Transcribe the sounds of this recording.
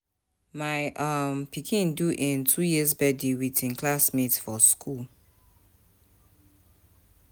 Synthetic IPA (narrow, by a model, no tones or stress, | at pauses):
maɪʔʌmpʰikʰĩnduʔĩntʰujiəzbɛdiwitĩnkʰlasmitfɔskʰul